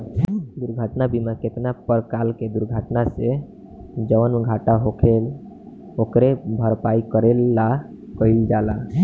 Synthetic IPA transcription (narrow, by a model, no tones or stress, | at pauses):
d̪uɾɡʱəʈnabimaket̪napəɾkalked̪uɾɡʱaʈnase | d͡ʒəʋnɡʱaʈaɦokʰel | okɾebʱəɾpaikəɾelːa | kəild͡ʒala